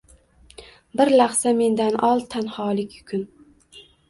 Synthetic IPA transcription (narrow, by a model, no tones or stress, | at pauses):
bɪɾlaχsame̞nd̪anʔɒlˠt̪ʰanhɒːlɪkʲʰjʊkʰʊn